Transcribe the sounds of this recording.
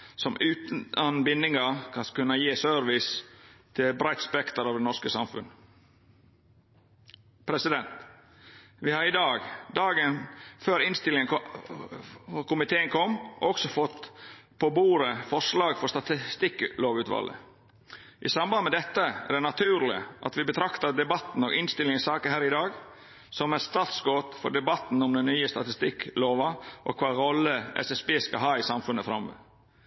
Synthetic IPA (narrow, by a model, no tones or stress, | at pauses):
sɔmʉːt̪nɑnbɪnːɪŋɑkʰɑnkʉnəjeːsœɾʋɪst̪ʰɪbɾæɪt̪spɛkt̪əɾɑːʋd̪ɛnɔskəsɑmfʉ̰n | pʰɾɛsɪd̪ɛnt̪ | ʋɪhɑɾɪd̪ɑːɡd̪ɑːɡənføːɾɪnst̪ɪlɪŋə | ɔkʊmɪt̪ʰeːənkʰɔmːʔɔksɔfɔt̪ːpʰoːbuːɾəfɔʂlɑːɡfɔɾst̪ɑt̪ɪst̪ɪkːloːʋʉːt̪ʋɑ̰lə̰ | ʔɪsɑmbɑnəmɛd̪ɛt̪ːəæ̰ɾd̪ɛnɑt̪ʰʉːɾlɪ̰ʔɑ̰t̪ʋɪbət̪ʰɾɑkt̪ɑd̪ɛbɑt̪ːn̩oːɡɪnst̪ɪlːɪŋsɑːkəɦæːɾɪd̪ɑːɡ | sɔmæst̪ɑːt̪sɡoːt̪fɔ̰ɖɛbɑt̪n̩ɔmd̪ɛnːyːəst̪ɑt̪ɪst̪ɪkloːʋɑʔɔ̰kʰʋɑːɾɔlːəɛ̰sɛsbeːskɑɦɑːɪsɑmfʉnəfɾɑmʋə̰